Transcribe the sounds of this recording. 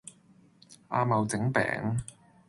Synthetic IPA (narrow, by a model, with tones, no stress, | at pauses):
a̰ː˧mɐ˨˧wt͡sɪ˨˥ŋpɛ̰ː˨˥ŋ